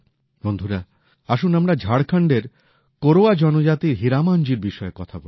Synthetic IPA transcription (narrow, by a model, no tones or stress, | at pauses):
bond̪ʱuɾa | aʃunamɾad͡ʑʱaɽkʰaɳɖeɾ | koɾoad͡ʑɔnod͡ʑat̪iɾɦiɾamand͡ʑiɾbiʃɔekɔt̪ʰabo